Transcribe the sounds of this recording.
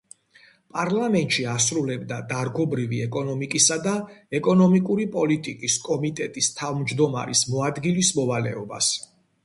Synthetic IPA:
pʼaɾlˠamɛnt̪ʼʃiasɾulɛbd̪ad̪aɾɡɔbɾiviɛkʼɔnɔmikʼisad̪aɛkʼɔnɔmikʼuɾipʼɔlit̪ʼikʼiskʼɔmit̪ʼɛt̪ʼist̪ʰavmd͡ʒd̪ɔma̰ɾḭsmɔad̪ɡilismɔvalɛ̰ɔba̰s

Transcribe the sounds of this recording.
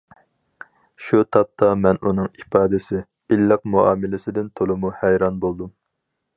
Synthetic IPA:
ʃut̪ʰɑp̚t̪ʰɑmɛnunɨŋifɑːd̪ɪsɪ | ilːɨq̚muɑːmɪlɪsɪd̪ɪnt̪ʰolˠɨmuhæjɾɑnbolˠd̪um

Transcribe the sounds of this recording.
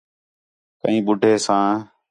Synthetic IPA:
kə̰ĩːɓʊɖʱeːsãː

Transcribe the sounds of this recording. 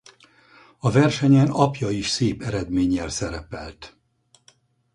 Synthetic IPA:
ɒvɛrʃɛɲɛnɒpjɒiʃseːpɛɾɛd̪meːɲːɛlsɛɾɛpɛ̰lt̪

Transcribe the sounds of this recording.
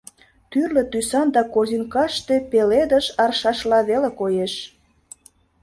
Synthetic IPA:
t̪yrlə̆t̪ysɑnd̪ɑkorzinkɑʃt̪epeled̪əʃɑrʃɑʃlɑβelekojeʃ

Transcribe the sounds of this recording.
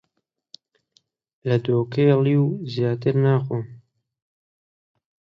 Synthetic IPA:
lɐd̪oːkejliːwzjaːt̪ɨɾnaːxom

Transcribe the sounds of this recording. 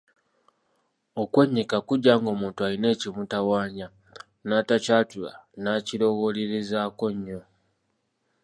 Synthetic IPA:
okweɲːikakuɟːaːŋɡo̞ːmuːntualine̞ːcimutawaːɲa | naːtacaːtula̰naːcilo̞ɣo̞leɾezaːko̞ɲːo̞

